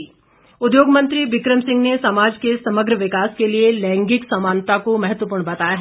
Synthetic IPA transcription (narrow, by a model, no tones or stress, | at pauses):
ʊd̪joːɡmə̃nt̪ɾiʋɪkɾəmsɪ̃ŋɡnesɐmaːd͡ʒkesɐməɡɾəʋɪkaːskelielɛ̃ːŋɡɪksɐmaːnt̪akomɐɦət̪ʋəpuːɾɳbɐt̪aːjaɦɛ